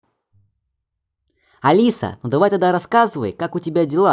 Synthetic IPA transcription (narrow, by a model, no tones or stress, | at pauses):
ɐlʲisə̰nud̪ɐvajt̪ad̪aɾɐskazɨvə̰jkakʊtʲɪbʲadʲɪlˠa